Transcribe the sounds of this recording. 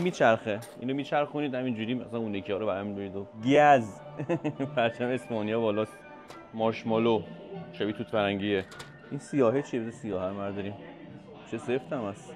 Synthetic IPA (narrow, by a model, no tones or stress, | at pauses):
miːt͡ʃʰæɾxeḭːnomiːt͡ʃʰæɾxuniːd̪hæmind͡ʒuːɾiːmæsænuːnekʰiɒːɾoæɾæmbeɾid̪oɡæz | pʰæɾt͡ʃʰæmeespɒːnijɒːbɒːlɒːs | mɒːɾʃmɒloʃæbiːt̪ʰut̪ʰfæɾæŋɟiːe | insijɒːɦet͡ʃʰiebezesijɒːhæɾmæɾd̪ɒɾim | t͡ʃʰeseft̪ʰæmæs